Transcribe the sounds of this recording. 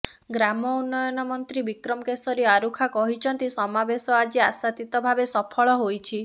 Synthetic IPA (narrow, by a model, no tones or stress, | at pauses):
ɡɾamɔunːɔjɔnɔmɔnt̪ɾibikɾɔmkesɔɾiaɾukʰakɔɦit͡ʃʰɔnt̪isɔmabesɔad͡ʒiasat̪it̪ɔbʱabesɔpʰɔɭɔɦojt͡ʃʰi